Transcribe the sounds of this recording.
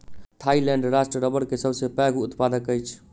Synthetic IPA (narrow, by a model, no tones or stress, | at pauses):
t̪ʰailɛ̃ɳɖɾasʈɾəɾəbəɽkesəbʱsepɛɡʱut̪pad̪əkəjt͡ʃʰ